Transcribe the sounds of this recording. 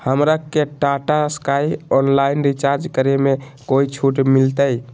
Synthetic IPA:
həmɾakeʈaʈaskajɔnlainɾit͡ʃaɾd͡ʒkəɾeme | koit͡ʃʰuʈmilt̪əj

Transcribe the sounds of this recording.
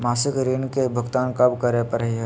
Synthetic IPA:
maːsɪkɾiːnkebʱʊɡt̪aːnkɐbkɐɾepəɾəɦiɦɛ

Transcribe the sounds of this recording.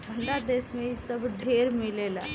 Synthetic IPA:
ʈʰə̃ɳɖad̪eːsmẽisɐbɖʱeːɾmɪleːla̰ː

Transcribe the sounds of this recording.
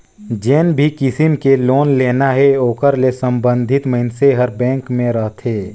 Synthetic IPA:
d͡ʒeːnbʱikɪsɪmkeloːnleːnaɦɛoːkəɾlesə̃mbə̃nd̪ʱɪt̪məɦɪnseɦəɾbɛ̃ːŋkmẽɾəɦt̪ʰeː

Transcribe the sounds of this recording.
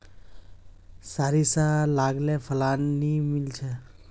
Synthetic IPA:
saɾisalaɡlepʰəlanːimilt͡ʃʰe

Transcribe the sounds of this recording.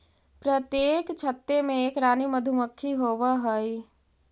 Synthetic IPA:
pɾət̪jeːkt͡ʃʰət̪ːemẽeːkɾaːniməd̪ʱuməkʰːiɦoːwaɦoi

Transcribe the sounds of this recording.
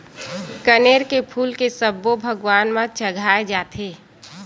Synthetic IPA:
kəneːɾkepʰuːlkesəbːobʱəɡwaːnmãt͡ʃəɡʱaːed͡ʒaːt̪ʰeː

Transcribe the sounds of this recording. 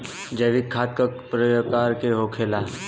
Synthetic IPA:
d͡ʒɐɾit̪̚kʰaːt̪̚kəpɾəjkaːɾkeɦoːkʰeːlaː

